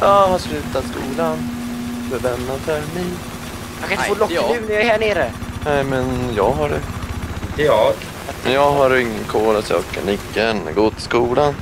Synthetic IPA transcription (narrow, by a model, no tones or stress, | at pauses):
jɑːhaslʉ̟ːt̪at̪skuːlanfəvɛnːat̪hæɾmɛj | akʰanɪt̪foːlɔʉnjahæːɳeːɾənɛɪmɛnjɑːɡɦaɖɛ | jɑːɡɦaɾɪŋːənkʰoːlasø̰kʰa̰nɪkːənɡoːt̪skuːlan